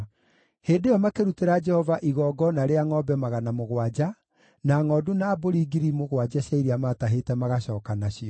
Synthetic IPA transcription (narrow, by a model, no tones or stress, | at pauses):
heːndejɔmakeɾuteɾad͡ʒɛhɔvaʔiɣɔːɡɔnaɾeaŋɔbɛmaɣanamoɣwad͡ʒa | naŋɔːdunaːboɾiɡiɾimoɣwad͡ʒaɕaiɾiamataɦetɛmaɣaɕɔːkanaɕiɔ